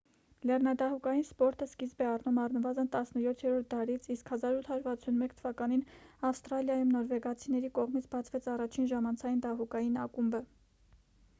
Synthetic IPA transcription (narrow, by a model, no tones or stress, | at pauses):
lɛrnɑd̪ɑɦukɑjinspɔɾt̪əskizbɛɑrnumɑrnəvɑzənt̪ɑsnəjɔt̪ʰjɛɾɔɾt̪̚d̪ɑɾit͡sʰiskhɑzɑɾut̪ʰɑjuɾvɑt͡sʰunmɛkt̪ʰəvɑkɑninɑfst̪ɾɑljɑjumnɔɾvɛɡɑt͡sʰinɛɾikɔʁmit͡sʰbɑt͡sʰvɛt͡sɑrɑt͡ʃʰinʒɑmɑnt͡sʰɑjind̪ɑɦukɑjinɑkumbə